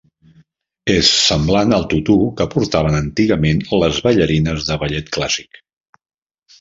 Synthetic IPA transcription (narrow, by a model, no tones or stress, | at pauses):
esːəmblanəlˠt̪ut̪ukəpuɾt̪aβ̞ənənt̪iɣəmenləzβəʎəɾinəzðəβəʎɛt̪klasi̥k